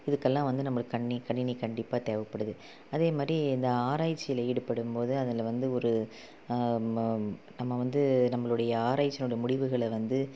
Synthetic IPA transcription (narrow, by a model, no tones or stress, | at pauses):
ɪðɯkːɛlːãːʋɐnd̪ɯnɐmːɐɭɯkːɐɳːikɐɳːɪnikɐɳɖɪpːaːt̪eːʋɐpːɐɽɯðɯ | ɐðeːmaːd̪ɾiɪnd̪ɐaːɾaːjt͡ʃːɪjɪlɐɪːɽɯpːɐɽɯmpoːðɯɐðɐlʋɐnd̪ɯɔɾɯ | nɐmːɐʋɐnd̪ɯnɐmːɐɭɯɽɐjɐaːɾaːjt͡ʃːɐnɯɽɐjɐmʊɽɪʋɯɣɐɭʋɐnd̪ɯ